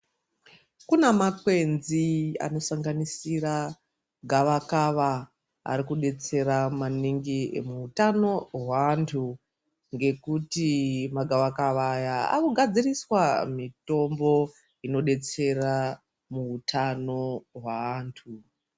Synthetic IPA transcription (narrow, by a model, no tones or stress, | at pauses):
kunemakwe̞nzia̰no̞saŋɡanisira | ɡʱaʋakaʋa | a̰ɾikuɗe̞t͡se̞ramaniŋɡimuːtano̞ɦwantʰu | ŋɡe̞kutimaɡʱaʋakaʋajaa̰kuɡʱad͡ziriswamito̞mbo̞ | ino̞ɗe̞t͡se̞ra | muːtʰano̞ɦwantʰu